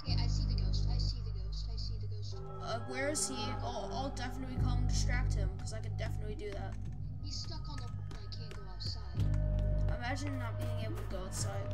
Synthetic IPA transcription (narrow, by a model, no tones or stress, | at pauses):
kʰeɪʔaɪsiðɨɡoʊstaɪsiðɨɡoʊstaɪsiðɨɡoʊst | ʌwəɹɪz̥i | a̰ɪlˠdɛfənətˡlikʰɔlˠə̃ndɪstɹ̥æk̚t̚hɪ̃mkʰʌzaɪkɨ̃ndɛfənətˡlidɨðæt̚ | histʌkn̩ə | ɹãɪkʰẽnɡoʊaʊtsaɪd̥aɪmæd͡ʒɨ̃nnət̚b̥iɪ̃ŋeɪbl̩ˠɡoʊtsaɪd̥̚